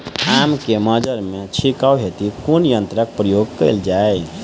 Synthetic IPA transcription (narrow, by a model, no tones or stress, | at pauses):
amkeməd͡ʒəɾmet͡ʃʰikawɦet̪ikonjənt̪ɾək̚pɾəjoɡkəɪld͡ʒae